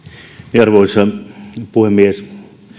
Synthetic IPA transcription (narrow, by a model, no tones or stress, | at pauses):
niɑrʋoisɑpuhemːies